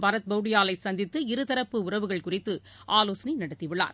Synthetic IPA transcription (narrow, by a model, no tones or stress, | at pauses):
pɐɾɐt̪̚bɐʊɽɪjaːlɐɪsɐnd̪ɪt̪ːɯɪɾɯðɐɾɐpːɯʊrɐʋɯɣɐɭkʊrɪt̪ːɯ | ʔaːloːsninɐɽɐt̪ːɪʋɪɭːa̰ːɾ